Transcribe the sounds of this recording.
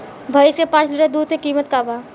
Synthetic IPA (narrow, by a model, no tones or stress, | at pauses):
bʱəjsepãːt͡ʃliʈad̪uːd̪sekiːmət̪kabaː